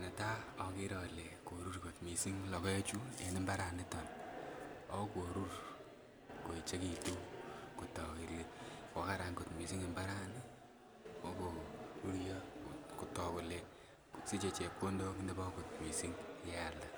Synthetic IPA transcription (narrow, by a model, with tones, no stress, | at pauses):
nɛ˨ta˦ɔ˦kɪ˦ɾɔ˨le˨ko˨ɾu˦ɾko˨tmi˨si˦ŋlɔ˨kɔ˦t͡ʃu˦ḛ˨˦nɪ˦mba˦ɾa˨nɪ˦tɔ˨n | ɔ˦o˦ko˨ɾu˦ɾ | ko˨i˨t͡ʃe˦ki˨tu˦ku˨tɔ˨ki˨ɾikɔ˨˦ka˦ɾa˨ŋko˨tmi˨si˦ŋe˨mba˦ɾa˦ni˦ | ko˦ko˨ɾu˦ɾjɔ˦ku˨tɔ˨ko˨le˨ | si˦t͡ʃe˨t͡ʃe˨po˦ndo˦mi˦nde˦bɔ˦ko˨t̚mi˨si˦ŋja˨la˦